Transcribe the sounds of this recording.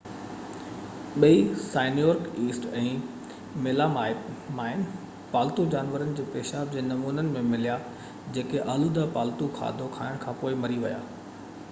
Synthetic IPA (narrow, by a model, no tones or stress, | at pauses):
ɓɐisaːɪnijoːɾkiːsʈɛ̃ː | meːlamamaːɪn | paːlt̪ud͡ʑaːnʋəɾənɪ̆d͡ʑeːpeːʃaːb̚d͡ʑeːnɐmuːnənɪ̆mẽmɪlija | d͡ʑeːkeʔɐlud̪apaːlt̪ukʰa̰ːd̪ʱokʰa̰ːɪɽ̃kʰãːpoːɪmɐɾiʋɐja̰ː